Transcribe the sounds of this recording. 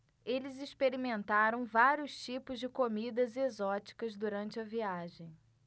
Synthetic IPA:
elɪzispeɾimẽnt̪aɾɐ̃w̃vaɾiʊst͡ʃipʊzd͡ʒɪkomid̪ɐzezɔt͡ʃi̥kɐzd̪uɾɐ̃nt͡ʃɪɐviaʒẽj̃

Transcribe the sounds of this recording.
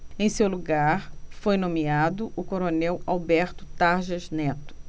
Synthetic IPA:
ẽj̃sewluɡaɾfojnõmiad̪ʊʔʊkoɾonɛwawbɛɾt̪ʊ̥t̪aɾʒɐznɛt̪ʊ̥

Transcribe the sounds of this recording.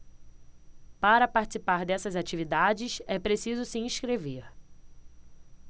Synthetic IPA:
paɾɐpaɾt͡ʃɪ̥sipaɾd̪ɛsɐzat͡ʃivid̪ad͡ʒɪsɛpɾesizʊsiĩʃkɾeveɾ

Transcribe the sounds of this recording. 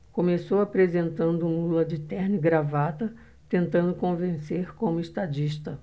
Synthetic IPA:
kõmesowapɾezẽnt̪ɐ̃nd̪ʊũmɐulɐd͡ʒɪt̪ɛɾnɪɡɾavat̪ɐ | t̪ẽnt̪ɐ̃nd̪ʊkõvẽseɾkõmʊɪʃt̪ad͡ʒiʃt̪ɐ

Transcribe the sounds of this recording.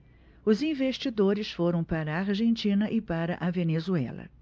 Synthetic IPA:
ʊzĩveʃt͡ʃid̪oɾɪsfoɾɐ̃w̃paɾɐaɾʒẽnt͡ʃĩnɐʔɪpaɾɐʔɐvenezuɛ̰lɐ̰

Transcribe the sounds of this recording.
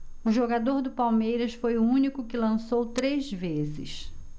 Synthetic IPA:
ʊʒoɡad̪oɾd̪ʊpawmejɾɐsfojʊũnikʊkɪlɐ̃sowt̪ɾezvezɪ̰s

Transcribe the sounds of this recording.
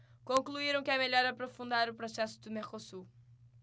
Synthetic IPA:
kõŋklˠuiɾɐ̃w̃kɛmɨʎɔɾɐpɾɔfũnd̪aɾupɾɔsɛsud̪ɨmekosu

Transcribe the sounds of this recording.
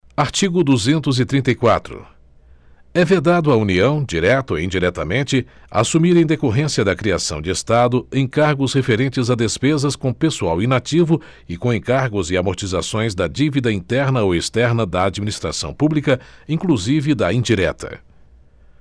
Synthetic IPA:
aɾt͡ʃiɡʊd̪uzẽnt̪ʊzɪt̪ɾĩnt̪ɐjkwat̪ɾʊ̰ | ɛved̪ad̪ʊauniɐ̃w̃d͡ʒiɾɛt̪oeĩd͡ʒiɾɛt̪ɐmẽnt͡ʃɪ | a̰sumiɾẽj̃d̪ekoɦẽsiɐd̪ɐkɾiasɐ̃w̃d͡ʒɪest̪ad̪ʊẽkaɾɡʊshefeɾẽnt͡ʃɪzɐd̪espezɐskõpesuawinat͡ʃivʊ | ɪkõẽkaɾɡʊzɪamoɾt͡ʃizasõj̃zd̪ɐd͡ʒivid̪ɐĩt̪ɛɾnɐoest̪ɛɾnɐd̪ɐːd͡ʒiminist̪ɾa̰sɐ̃w̃publikɐĩkluzivɪd̪ɐĩd͡ʒiɾɛ̰t̪ɐ̰

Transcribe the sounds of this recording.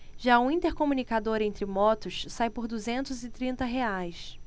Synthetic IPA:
ʒaũĩnt̪eɾkomunikad̪oɾẽnt̪ɾɪmɔt̪ʊʃsajpʊɾd̪uzẽnt̪ʊzɪt̪ɾĩnt̪ɐɦeajs

